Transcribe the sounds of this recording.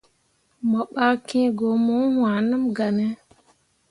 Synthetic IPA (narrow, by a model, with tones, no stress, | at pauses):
mə˨ɓa˦kẽ˦ɡo˨mũ˦hw̃ã˨nə˦mɡa˨nɛ˦